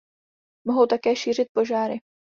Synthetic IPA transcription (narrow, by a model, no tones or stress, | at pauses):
moɦowt̪akɛːʃiːr̝ɪt̪̚po̞ʒaːɾɪ